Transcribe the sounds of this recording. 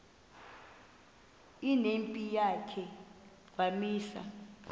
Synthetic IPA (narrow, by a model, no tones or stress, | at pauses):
inempʼijakʰɛ | k̬wamiːsa̰